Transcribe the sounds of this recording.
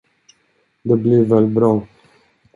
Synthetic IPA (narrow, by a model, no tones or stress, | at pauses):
d̪əbliːvɛlbɾɑː